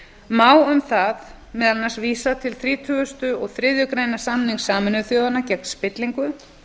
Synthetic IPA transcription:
maːwʏmθað | mɛːðalnḁsviːsat̪ʰɪlθɾiːt̪ʰʏːɣʏst̪ʏɔɣθɾɪðjʏkɾeːjnasamniŋsaːmɪnʏθjoːwðanacɛk̚n̥spɪt̪liŋkʏ

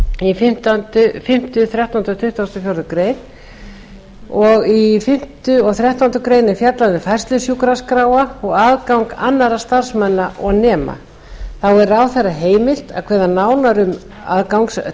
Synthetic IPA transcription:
ifɪm̥t̪ant̪ʏfɪm̥t̪ʏθɾjaht̪awnt̪ɔt̪ʰʏht̪vast̪ɔfjoɾðʏkɾeːjn | ɔɣifɪm̥t̪ʏɔɣθɾjaht̪awnt̪ʏkɾeːjnɪ̥fjat̪lanɪfajst̪lʏsjukɾaskɾaːwaɔɣaðkawŋka̰nːaɾast̪ar̥smanːaʔɔɣnɛːma̰ | θawɛɾawθerːaɦeːjmɪl̥t̪a̰ðkʰvɛːðanaːwnaɾʏm | a̰ðkawŋks

